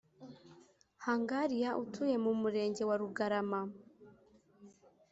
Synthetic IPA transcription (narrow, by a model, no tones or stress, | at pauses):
haːŋɡaɾijaʔutʰuje̞mumuɾe̞ːɲɟe̞waɾuɡaɾama